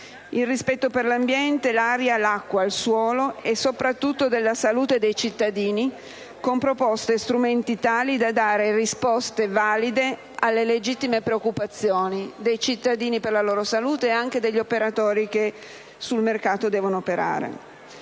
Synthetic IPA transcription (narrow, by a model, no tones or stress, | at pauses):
ilrispɛt̪ːoperlambjɛnt̪elaɾjalakːwaːlswɔːloɛsopɾat̪ːut̪ːod̪elːasaluːt̪ed̪ejt͡ʃit̪ːad̪iːni | kompɾopɔst̪est̪ɾument̪it̪aːlid̪ad̪aːɾerispɔst̪evaːlid̪e | alːeled͡ʒit̪ːimepɾeokːupat̪sːjoːnid̪ejt͡ʃit̪ːad̪iːniperlaloːɾosaluːt̪eːaŋk̟ed̪eʎːopeɾat̪ɔːɾik̟e | sulmerkaːt̪od̪ɛːvonoːpeɾa̰ːɾḛ